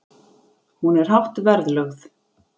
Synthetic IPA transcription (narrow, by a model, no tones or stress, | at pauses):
hunɛɾ̥hawht̪vɛɾðlœɣθ